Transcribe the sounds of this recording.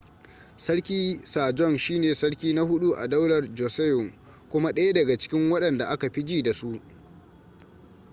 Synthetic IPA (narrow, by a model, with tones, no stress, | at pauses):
sɐ˦ɽkʲiː˦saː˨d͡ʒɔ˦˨nʃiː˦neː˨sɐ˦ɽkʲiː˦na˦hʊ˦ɗu˦ʔa̰˨dɐ˦wlɐ˨rd͡ʒoː˨sɛ˦jʊ˨ŋ | kʷʊ˦ma˦ɗɐ˦ja˦dɐ˨ɡa˨t͡ʃɪ̥˦kʲɪ˦ŋwɐ˦ɗɐ˨nda˨ʔa˦ka˨ɸi˦d͡ʒiː˦da˨su˦ʔ